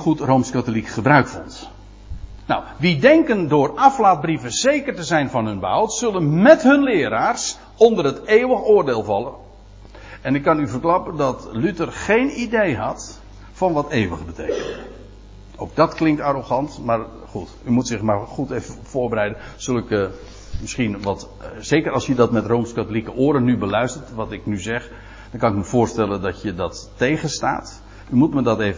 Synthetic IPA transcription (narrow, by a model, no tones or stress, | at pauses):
χutrowmskatolikχəbrœɥkfɔ̰nt | nɔ̰wʋidɛŋkəndʊːrɑflaːd̚brivənz̥ejkərtəzɛjnvɑnɦɵnbəɦɑwtsɵlənmɛtɦɵnlɪːɾaːrs | ɔndərətejwəχʊːrdeːlˠvɑlən | ɛnɪkːɑnyvərklɑpəndɑtlytərχejnidejɦɑt | fɑnʋɑtejʋəχəbətḛjkə̰ndə | owk̚dɑtklɪŋk̚taroχɑntmaːɹ | χutymutsɪχmaːɹχutejvəvʊːɹbəɾɛjdənz̥ɵlˠɪk | mɪsχinʋɑt | z̥ejkəɾɑlˠsjədɑtmɛtrowmskatolikəʔʊːɾənybəlœɥstəɹtʋɑtɪknyzɛχ | d̥ɑnkɑnɪkməv̥ʊːɹstɛləndɑtjədɑtːejχənsta̰ːt | ymutmədɑtejv